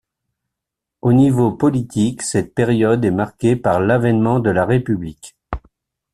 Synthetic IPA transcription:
onivopɔlit̪iksɛt̪̚peʁjɔd̪ɛmaʁkʲepaʁlavɛnmɑ̃d̪əlaʁepyblik

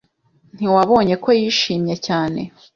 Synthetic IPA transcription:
n̥iwaβo̞ːɲe̞ko̞jiːʃiːmɲecaːne̞̰

